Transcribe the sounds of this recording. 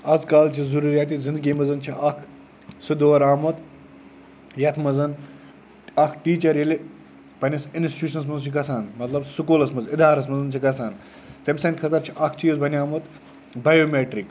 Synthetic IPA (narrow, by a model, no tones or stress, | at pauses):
ɐd͡zkaːlt͡ʃʰizuɾuːɾjaːt̪iːzind̪ɡiːmɐzɐnt͡ʃʰiʔɐkʰ | sud̪oːɾaːmɐt̪ | jɐt̪ʰmɐzɐn | ɐkʰʈiːt͡ʃɐɾjeli | pɐnʲɐsinsti̥t͡ʃuːʃɐnsmɐznt͡ʃʰikɐsaːnmɐt̪lɐbsukoːlɐsmɐzid̪ʱaːɾɐsmɐzɐnt͡ʃʰikɐsaːn | t̪emʲsɐnʲkʰɐt̪ɐɾt͡ʃʰiʔɐkʰt͡ʃiːzbʱɐnʲiaːmot̪ | bajoːmeːʈɾik